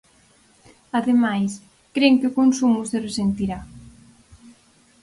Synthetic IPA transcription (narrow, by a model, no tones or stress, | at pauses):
aðemajs | kɾeŋkɪʊkonsumʊseresent̪iɾa